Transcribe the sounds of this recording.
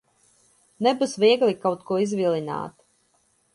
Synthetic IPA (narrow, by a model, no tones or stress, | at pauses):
nɛbusvʲiɛɡlʲˠikawt̪kuɔizvʲilʲˠina̰ːt̪